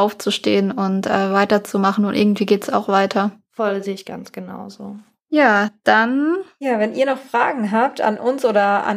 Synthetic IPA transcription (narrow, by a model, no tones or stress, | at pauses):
aʊft͡suʃteːənʊntʔɛːvaɪtɐt͡sumaχn̩ʊntʔɪ̰ɐɡŋ̩tv̥iːɡeːtɛsa̰ʊxv̥aɪtʰɐfɔlzeːɪçɡ̥a̰nt͡sɡ̥əna̰ʊzoː | jaːd̥anjaːvɛnʔiːɐnɔχfʁ̥aːɡŋ̩ɦaːp̚tʰa̰nʔʊnsʔoːɾɐa̰n